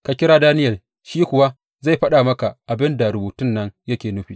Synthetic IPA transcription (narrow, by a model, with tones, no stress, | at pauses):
ka˨kʲɪ˦ɾaː˦daː˦nɪ˦jɐ˨ | ʃiː˦kʷʊ˨wa˦ | za˦˨jɸɐ˦ɗa˨mɐ˦ka˨ʔa˨bɪ˦nda˨ɾʊ˨buː˨tʊ˦nːɐ˦ŋjɐ˦kʲeː˨nʊ˦ɸiː˨